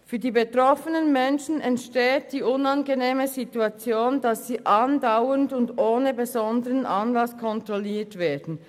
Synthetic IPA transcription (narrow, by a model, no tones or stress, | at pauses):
fyːɐdiːbetʁɔfənənmɛnʃn̩ɛntʃteːt̚d̥iːʔʊnɑnɡeneːməzituɑt͡sjoːndɑsːiːʔɑndaʊəndʊndoːnəbezɔndəʁənʔɑnlɑskʰɔntʁɔliːɐtv̥eːɐd̥n̩